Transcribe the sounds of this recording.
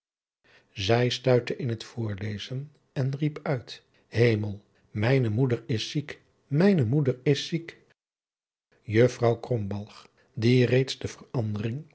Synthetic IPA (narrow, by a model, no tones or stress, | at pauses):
zɛjstœɥtəʔɪnɦətfʊːɹlejzən | ɛnripœɥt | ɦejməlˠ | mɛjnəmudəɹɪsːik | mɛjnəmudəɹɪsik | jɵfrɑwkrɔmbɑlˠχ | direjtsdəv̥ərɑndərɪŋ